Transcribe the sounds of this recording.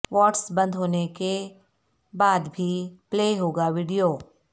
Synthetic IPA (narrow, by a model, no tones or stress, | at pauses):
ʋɔːʈsbə̃nd̪ʱɦoːneke | baːd̪bʱipleːɦoːɡaʋiːɖijoː